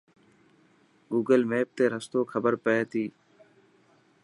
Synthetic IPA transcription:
ɡuːɡəlmeːp̚t̪eːɾəst̪oːkʰəbəɾpəeːt̪iː

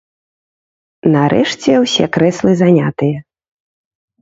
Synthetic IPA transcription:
nɐɾʔɛ̰ʂt͡sʲɛwsʲɛkɾɛslˠɨzanʲat̪ɨjɛ

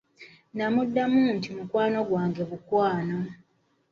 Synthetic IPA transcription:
namudːamuntimukwaːno̞ɡwaːŋɡe̞βukwaːno

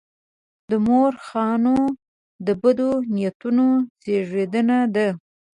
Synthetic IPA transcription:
d̪əmoɾxɑno | d̪əbad̪onijat̪unozeʐed̪ənad̪a

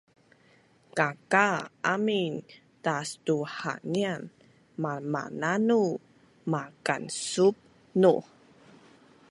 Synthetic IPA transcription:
kakaamin | tastuħa̰nian | mama̰nanu | makansup̚ | nṵ

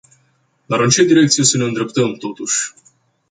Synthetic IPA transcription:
d̪aɾɨnt͡ʃe̞d̪iɾe̞k̚t̪sije̞səne̞ɨnd̪ɾe̞pt̪əmt̪o̞t̪uʃʲ

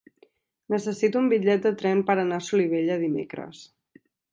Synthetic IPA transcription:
nəsəsit̪uumbiʎɛt̪̚d̪ət̪ɾɛmpəɾənasuliβ̞eʎəðimḛkɾə̰s

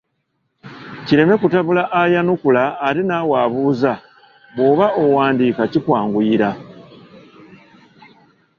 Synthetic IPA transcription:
ciɾe̞me̞kutaβulaʔajanukulaːɾinawaːβuːza | βo̞βaʔowaːndiːkacikwaːŋɡuiɾa

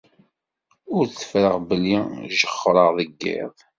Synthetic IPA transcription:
ʊɾθə̥fɾəʁbəlːiʒəχːɾˤəʁðəɡːɪ̰ðˤ

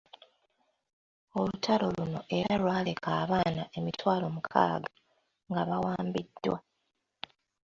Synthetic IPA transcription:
o̞lutʰalo̞luno̞ʔe̞ɾalwaːle̞kʰaːβaːnaʔe̞mitwaːlo̞mukʰa̰ːɡa | ŋɡaβawaːmbidːwa

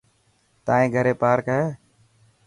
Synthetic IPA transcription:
t̪aːẽːɡʱəɾeːpaːɾkəɦeː

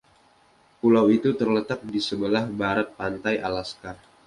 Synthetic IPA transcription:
pulawit̪ut̪ərlət̪ak̚disəbəlahbaɾat̪̚pant̪ajʔa̰laskar

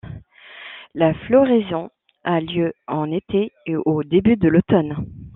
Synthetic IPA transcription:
laflɔʁezɔ̃ | aljøɑ̃net̪ʰeʔod̪ebyd̪əlot̪ɔn

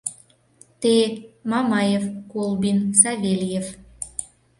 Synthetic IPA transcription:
t̪emɑmɑjefkolˠbinsɑvʲelʲjef

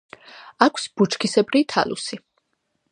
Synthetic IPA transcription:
akʷʰsb̥ut͡ʃʰkʰisɛbɾit̪ʰa̰lṵsi

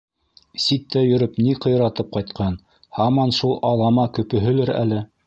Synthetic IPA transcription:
sit̪ːæjɵ̆ɾɵpniqɤ̆j̆ɾɑt̪ɤp̚qɑjt̪qʰɑn | hɑmɑnʃulˠʔɑlˠɑmɑkɵ̆pɵ̆ɦɵ̆lɘɾæ̰lɘ

